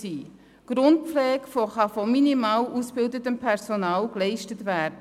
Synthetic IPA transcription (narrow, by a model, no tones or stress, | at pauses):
iː | ɡ̥ɾʊnt̚pflɛːkfɔχɑfɔminimɑːlʔusb̥ɪldətəmpʰɛɾsɔnɑːlklɛɪʃtətʋæːɾdə